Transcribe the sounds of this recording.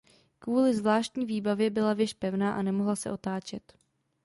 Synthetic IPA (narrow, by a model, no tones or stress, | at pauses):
kvuːlɪzvlaːʃt̪ɲiːviːbavjɛbɪlavjɛʃpɛvnaːʔanɛmo̞ɦlasɛ̰ʔo̞t̪aːt͡ʃɛt̪